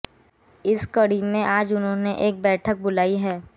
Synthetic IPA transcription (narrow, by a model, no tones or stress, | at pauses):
ɪskɐɽimẽʔaːd͡ʒʊnɦõneʔeːk̚bɛːʈʰək̚bʊlaːiɦɛː